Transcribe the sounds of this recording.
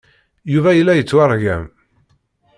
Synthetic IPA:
juvæjəlːæjət͡sːwaɾˤʝæ̰m

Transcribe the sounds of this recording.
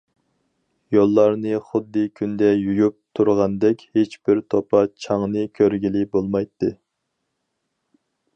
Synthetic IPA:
jolˠːɑɾnɨχʊd̪ːɨkʲʰynd̪ɛjujup̚t̪ʰuɾʁɑnd̪ɛkʲhet͡ʃbɪɾt̪ʰopʰɑt͡ʃʰɑŋnɨkʲʰøɾɡʲilɪbolˠmɑjt̪ʰːɨ

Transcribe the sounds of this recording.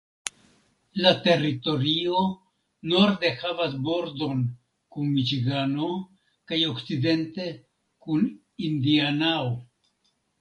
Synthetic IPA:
late̞ɾito̞ɾio̞ | no̞ɾde̞havasbo̞ɾdo̞n | kunmit͡ʃiɡano̞ | kajo̞kt͡side̞nte̞ | kun | indianao

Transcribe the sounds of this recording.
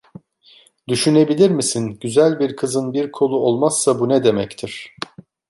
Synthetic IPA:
d̪yʃyne̞bilʲiɾmisinɟyzælʲbiɾkʰɯzɯnbiɾkʰo̞lˠuo̞lˠmasːabunɛd̪e̞mɛct̪ʰiɾ̥

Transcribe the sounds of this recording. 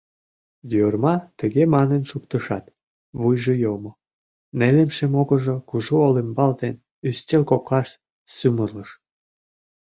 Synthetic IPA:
jørmɑt̪əɣemɑnenʃukt̪əʃɑ̰t̪ | βujʒəjomo | nelemʃemoɣəʒokuʒuolembɑld̪en | yst̪ʲelkoklɑʃ | symərləʃ

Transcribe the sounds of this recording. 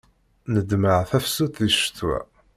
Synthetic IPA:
nəd̪məʕθæfsuθiʃə̥t̪wæ̰

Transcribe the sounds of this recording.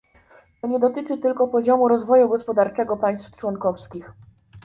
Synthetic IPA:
t̪ɔɲɛd̪ɔt̪ɘt͡ʂɘt̪ɘlkɔpɔʑɔmuɾɔzvɔjuɡɔspɔd̪aɾt͡ʂɛɡɔpaj̃st̪ft͡ʂwɔŋkɔfskʲix

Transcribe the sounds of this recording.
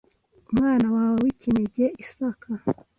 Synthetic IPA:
umŋaːnawaːwowicineɟeʔisakʰa

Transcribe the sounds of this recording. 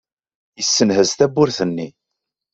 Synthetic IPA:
jəsːənhəzt̪æbːʊɾθənːi

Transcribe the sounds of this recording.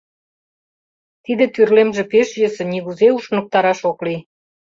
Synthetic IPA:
t̪id̪ĕt̪yrlemʒĕpeʃjə̆sĕniɣuzeuʃnə̆k̚t̪ɑɾɑʃokli

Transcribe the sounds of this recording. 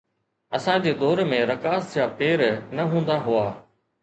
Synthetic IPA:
ɐsãd͡ʑeːd̪ɔːɾmẽɾɐkaːsʰjaːpeːɾnɐɦũːnd̪aɦʊaː

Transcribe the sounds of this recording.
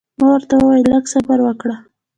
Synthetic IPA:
mawəɾt̪awəwajələɡsabaɾwəkɽa

